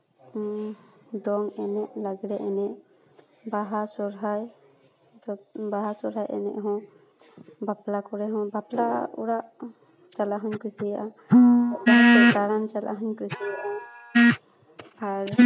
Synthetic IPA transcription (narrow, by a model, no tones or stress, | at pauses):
d̪ɔŋɛnɛʔlaɡɾɛʔɛnɛʔ | baɦasɔɾɦaj | baɦasɔɾɦajɛ̰nɛ̰ʔɦɔ̃ | baplakɔɾɛɦɔ̃bapla̰uɽaʔ | t͡ʃalaɦɔɲkusijaʔa | aɛkaɽant͡ʃalʔa̰ɦɔɲkɾusijaa | aɾ